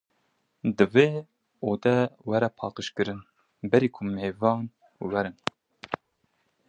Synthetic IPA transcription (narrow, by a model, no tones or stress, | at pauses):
d̪ɨveː | oːd̪ɛwɛɾɛpʰɑːqɨʃkɨɾɨn | bɛɾiːkʰʊmeːvɑːn | wɛɾɨn